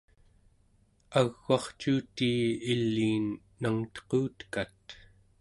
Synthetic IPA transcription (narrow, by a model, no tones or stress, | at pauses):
aɣːɑχt͡ʃuːt̪iːilːiːnː | aŋt̪ʌ̥quːt̪kat̪